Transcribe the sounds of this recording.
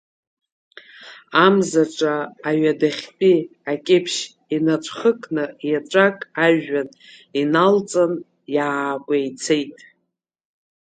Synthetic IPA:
amzaʈ͡ʂʼaːɥadaχʲpʼiakʲʼɪpʰʃ | inaʈ͡ʂʷʰχəkʼnɨjaʈ͡ʂʷʼakʼaʒan | inalt͡sʼan | jaːkʷʼajt͡sʰejtʼ

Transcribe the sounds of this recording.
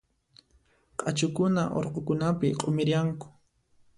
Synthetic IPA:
qʼat͡ʃʊkʊnaʔo̰ɾqokʊnapɪqʼomɪɾjaŋkʊ̥

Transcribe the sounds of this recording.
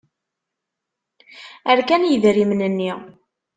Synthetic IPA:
æɾkænjəðɾimnənːi

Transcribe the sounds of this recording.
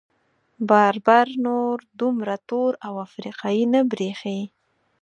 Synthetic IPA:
bɑɾbɑɾnoɾd̪umɾat̪oɾawafɾiqɑjinabɾexe

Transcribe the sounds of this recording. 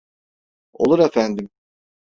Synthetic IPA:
o̰lˠuɾefænd̪im

